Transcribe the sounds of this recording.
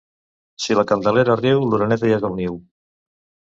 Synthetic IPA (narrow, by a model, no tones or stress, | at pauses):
silakand̪aleɾaːriwluɾanɛt̪ajaɣawniw